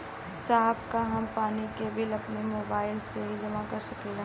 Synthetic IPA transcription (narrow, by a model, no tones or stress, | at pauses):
saːɦbkaɦɐmpaːnikebɪlɐpnemoːbaːɪlseɦid͡ʒɐmakɐɾsɐkela